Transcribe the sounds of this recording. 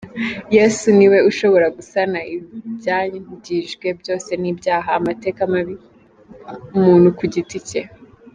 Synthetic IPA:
je̞suniwe̞uʃo̞βo̞ɾaɡusanaibjaːɟiʒɡwe̞bjo̞ːse̞nibjaːɦaːmate̞ːkamaβi | umuːn̥hukuɟitice

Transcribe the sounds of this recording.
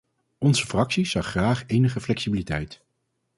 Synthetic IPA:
ɔnzəfrɑksiz̥ɑχːraːχejnəχəflɛksibilitɛjt

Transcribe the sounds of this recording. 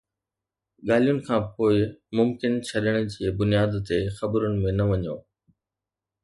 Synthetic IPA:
ɠaːlijʊnɪ̆kʰãːpoːɪmʊmkɪnt͡ɕʰɐɗəɽ̃̆d͡ʑiːbʊnijaːd̪t̪exɐbɾʊnɪ̆mẽnɐʋɐɲo̰ː

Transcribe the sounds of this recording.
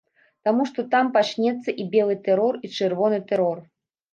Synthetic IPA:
t̪amuʂt̪ɔt̪ampat͡ʂnʲɛt̪sːɐʔibʲɛlˠɨt̪ɛɾɔrit͡ʂɨrvɔnɨt̪ɛɾɔr

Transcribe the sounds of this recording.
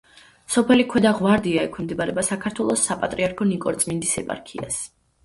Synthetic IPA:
sɔpʰɛlikʰwɛd̪aʁwaɾd̪iaɛkʰɛmd̪ɛbaɾɛbasakʰaɾt̪ʰwɛlˠɔsːapʼat̪ʼɾiaɾkʰɔnikʼɔɾt̪sʼmind̪isɛpʼa̰ɾkʰia̰s

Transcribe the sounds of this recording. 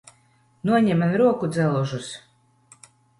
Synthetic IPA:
nuɔɲɛmanɾuɔkud̪zælˠuʒus

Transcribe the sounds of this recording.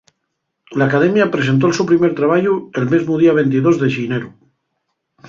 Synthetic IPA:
laːkað̞emjapɾes̬e̞nt̪oelsewpɾimeɾt̪ɾaβaʎuelmezmuð̞iaβ̞ent̪iðozðeʃineɾu

